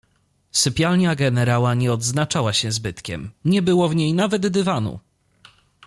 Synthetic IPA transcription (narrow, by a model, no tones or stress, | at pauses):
sɘpʲjalɲaɡɛnɛɾawaɲɛɔd̪znat͡ʂawaɕɛzbɘt̪kʲɛ̰mɲɛbɘwɔvɲejnavɛd̪d̪ɘvanṵ